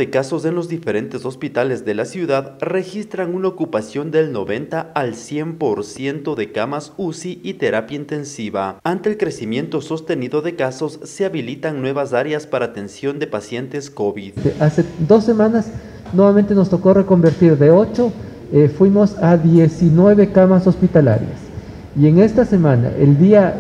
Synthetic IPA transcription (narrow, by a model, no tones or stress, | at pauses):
ekaso̞se̞nlo̞zðife̞ɾe̞nt̪e̞so̞spit̪ale̞zðe̞lasjuðaðre̞xist̪ɾaŋunaokupasjo̞nd̪e̞lno̞̰βe̞nt̪aalsje̞mpo̞ɾsje̞nt̪o̞ðe̞kamasusiːt̪e̞ɾapjaint̪e̞nsiβaant̪e̞ːlkɾe̞simje̞nt̪o̞so̞st̪e̞niðo̞ðe̞kaso̞sːeaβilit̪aŋnwe̞βas̬aɾjaspaɾaːt̪e̞nsjo̞nd̪e̞pasje̞nt̪eskoβiðnt̪eʔase̞d̪o̞sːe̞mãnas | nweβamẽ̞nt̪e̞no̞st̪o̞ko̞re̞ko̞mbe̞ɾt̪iɾðeo̞t͡ʃo̞ | efwimo̞saðjesinwe̞βe̞kamaso̞spit̪ala̰ɾja̰s | ie̞ŋe̞st̪ase̞mãna̰ʔeld̪ia